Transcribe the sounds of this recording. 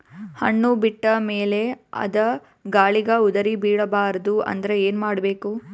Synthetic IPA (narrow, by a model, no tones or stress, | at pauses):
hɐ̰ɳːubiʈːɐmeːle̞ɐ̰d̪ɐ | ɡaːɭiɡɐud̪ɐɾibiːɽɐbaːɾɐd̪uɐ̰nd̪ɐɾe̞eːnmaːɽɐbe̞ːku